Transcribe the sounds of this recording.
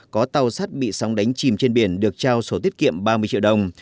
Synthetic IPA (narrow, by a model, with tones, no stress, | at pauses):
kɔ˨˦t̪a˨˩wsaː˦˥t̚ɓḭ˧˨sa˨˦wŋ͡mɗa˨˦jŋ̟t͡ɕi˨˩mt͡ɕe˧nɓi˧˩ənɗɨ˨˩ək̚t͡ɕaː˧wso˧˩t̪̬i˦˥ət̚kḭ˧˨əmɓaː˧mɨ˧ət͡ɕḭ˧˨wɗə˧˩wŋ͡m